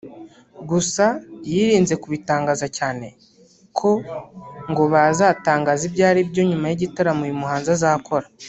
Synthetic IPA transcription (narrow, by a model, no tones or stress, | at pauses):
ɡusajiːɾiːnze̞kuβitaːŋɡaːzacaːne̞ | kʰo̞ | ŋɡo̞βazaːtaːŋɡaːzibɟaːɾibɟo̞ɲumajiɟitaɾamujimuɦaːnzazaːkʰo̞ɾa